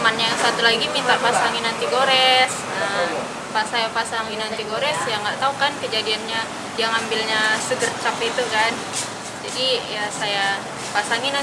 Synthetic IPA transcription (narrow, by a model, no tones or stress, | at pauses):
manɲajaŋsat̪ulaɡimiŋlarpasaŋinant̪iɡoɾɛs | ə | pasajapasaŋinant̪iɡoɾɛsjaŋɡat̪aukankəd͡ʒadianɲa | jaŋambilɲasəɡərt͡ʃapit̪ukan | d͡ʒadijasaja | pasaŋina